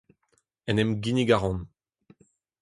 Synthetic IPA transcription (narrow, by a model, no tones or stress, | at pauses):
ɛnɛmɡiniɡaʁɔ̃n